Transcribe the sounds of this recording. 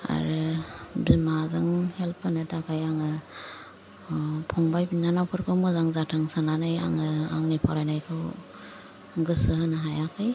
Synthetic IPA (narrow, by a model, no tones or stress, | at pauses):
a̰ɾɯbimazɯŋhelpʰːanɯtʰakʰajaŋɯ | pʰɔŋbajbinːanawpʰɯɾkʰɯwmɔzaŋzatʰɯŋsananaja̰ŋɯaŋnipʰaɾajnajkʰɯw | ɡɯsɯhɯnaɦajakʰɯj